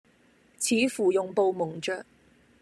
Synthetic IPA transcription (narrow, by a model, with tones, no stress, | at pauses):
t͡sʰiː˨˥fuː˨˩jʊ˨ŋpo˧wmʊ˨˩ŋt͡ʃœː˨k̚